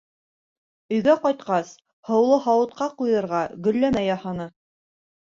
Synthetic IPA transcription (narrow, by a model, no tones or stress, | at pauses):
ɵ̆jɡæqɑjt̪̚qɑs | hɤ̆wlˠɤɦɑwɤ̆t̪̚qɑqujɤ̆ɾʁɑɡɵ̆lːæmæjɑhɑnɤ